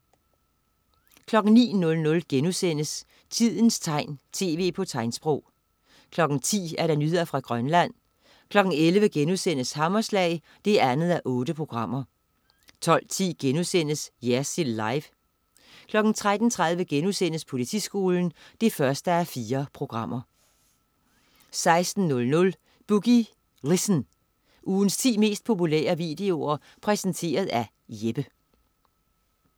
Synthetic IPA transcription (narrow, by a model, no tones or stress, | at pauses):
kʰlɒ̽ɡ̥n̩nḭːnɔ̽lnɔ̽lɡ̥enusen̰əs | t͡sʰið̰ˠn̩st͡sʰɑ̈ɪ̰nt͡sʰe̝̰ːʋe̝̰ːpʰɒ̽t͡sʰɑ̈ɪ̰nsb̥ʁɔʊ̰ | kʰlɒ̽ɡ̥n̩t͡sʰḭːæɐɾɑ̈nyhe̝̰ɐfʁɑ̈ɡ̥ʁɶnlæn̰ | kʰlɒ̽ɡ̥n̩elʋəɡ̥enusen̰əshɑ̈mɒslɛ̰ɪ | d̥e̝æænð̞̩ˠæʔɔ̽ːɾ̥əpʰʁo̝ɡ̥ʁɑ̈m̰ɐ | t͡sʰɒ̽l̰t͡sʰḭːɡ̥enusen̰əsjæsilːɑ̈ɪʋ | kʰlɒ̽ɡ̥n̩t͡sʰʁad̥n̩t͡sʰʁäð̞ˠʋəɡ̥enusen̰əspʰo̝lit͡sʰḭːsɡ̥o̝ːln̩d̥e̝fɶɐsd̥əæfiːɐpʰʁo̝ɡ̥ʁɑ̈m̰ɐ | sɑ̈ɪsd̥n̩ːɔ̽lnɔ̽l | b̥uɡ̥i | ʁisn | ʔuːn̩st͡sʰḭːme̝̰ːsd̥̚pʰo̝pulḛːɐʋid̥e̝o̝ɐ | pʰʁɛsənt͡sʰe̝̰ːɐð̞̩ˠæ | jeb̥ə